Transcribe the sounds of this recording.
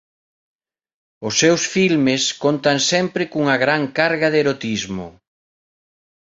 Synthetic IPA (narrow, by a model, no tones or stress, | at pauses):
ʊsːewsfilmɪskont̪ɐŋsɛmpɾɪkuŋɐɣɾaŋkaɾɣɐðeɾot̪izmʊ̰